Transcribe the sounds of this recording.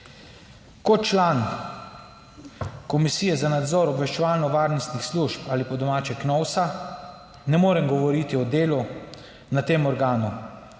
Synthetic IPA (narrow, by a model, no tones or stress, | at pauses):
kɔt̪t͡ʃlaːn | kɔmisijɛzanad̪zɔːɾɔbʋɛʃt͡ʃɛʋaːlnɔʋaːɾnɔst̪nixsluʃpalipɔd̪ɔmaːt͡ʃɛknɔwsa | nɛmoːɾɛmɡɔʋɔɾit̪iɔd̪eːlu | nat̪eːmɔɾɡaːnu